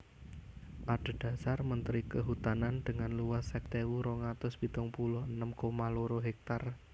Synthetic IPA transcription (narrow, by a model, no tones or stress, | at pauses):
ʔaɖ̥a̤d̥a̤sarmənt̪ɾikəɦut̪anand̪̥əŋanluwasɛk̚t̪ewuɾoŋat̪ʊsb̥it̪ɔŋpulʊɦənəmkomaloɾoɦɛk̚t̪ar